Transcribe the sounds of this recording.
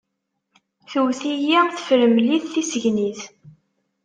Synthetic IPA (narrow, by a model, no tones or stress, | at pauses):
θəwθijæθə̥fɾəmliθθisəʝniθ